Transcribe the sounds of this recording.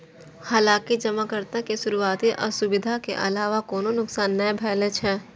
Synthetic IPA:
haːlaːkid͡ʒɐmakəɾt̪akesʊɾuaːt̪iʔɔ̰ːɾsʊbɪd̪ʱakḛʔɐ̰laːʋakɔːnonʊksaːnːɐebʱɛːlet͡ʃɦɛː

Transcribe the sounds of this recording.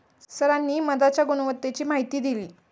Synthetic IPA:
səɾanːiːməd̪at͡ɕjaɡunəʋət̪ːet͡ɕiːmaɦit̪iːd̪iliː

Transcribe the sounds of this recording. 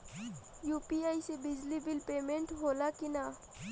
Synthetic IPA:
juːpiaisebɪd͡ʒlibilpemẽɳʈɦolakina

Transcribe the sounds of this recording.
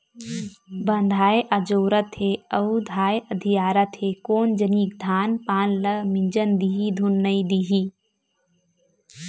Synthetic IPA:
bɐnd̪ʱaːeʔɐd͡ʒoːɾət̪ʰɦeɐud̪ʱaːeʔɐd̪ʱijaːɾɐt̪ʰeːkoːnd͡ʒəniːk̚d̪ʱaːnpaːnlɐmĩɲd͡ʒənd̪iːɦid̪ʱunːɐid̪iɦiː

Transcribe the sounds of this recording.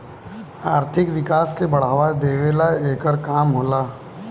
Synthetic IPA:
aːɾt̪ʰɪkʋɪkaːskebɐɽ̤aːʋad̪eːʋeːlaeːkəɾkaːmɦoːlaː

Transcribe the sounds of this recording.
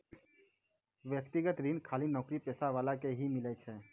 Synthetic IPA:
ʋjəkt̪iɡət̪ɾinkʰaːlinɔːkɾipɛːsaʋaːlakeɦimɪlət͡ʃʰɛː

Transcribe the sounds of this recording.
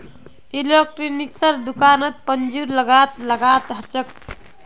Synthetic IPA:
ilek̚ʈɾiniksəɾd̪ukanət̪̚pənd͡ʒuɾləɡat̪ləɡat̪ɦət͡ʃək̚

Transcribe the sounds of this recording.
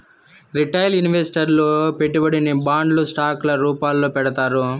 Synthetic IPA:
ɾiʈɐjlunʋesi̥ʈɐɾloːpeʈːubɐɽinibaːɳɖlusʈaːklɐɾuːpaːlːoːpɛɽɐt̪aːɾu

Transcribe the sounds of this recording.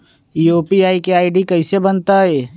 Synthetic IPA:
joːpiaːikeaːɪɖikɐɪsebənt̪aɦɛː

